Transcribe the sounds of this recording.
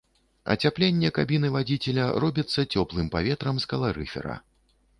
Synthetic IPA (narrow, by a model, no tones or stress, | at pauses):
ɐ̰t͡sʲaplʲenʲːɛkabʲinɨvad͡zʲit͡sʲɛlʲɐrɔbʲɐt̪sːɐt͡sʲɔplˠɨmpavʲɛt̪ɾɐmskɐlˠaɾɨ̰fʲɛ̰ɾɐ̰